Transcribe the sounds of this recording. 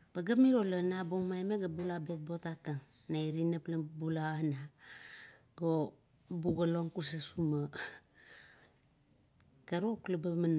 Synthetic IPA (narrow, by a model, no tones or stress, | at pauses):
b̥aɡamiɾolanaboŋmajmeɡabulabet̚botataŋ | naiɾinaplabulaana | ɡo | buɡaloŋkus̬asuma | kaɾuklabaman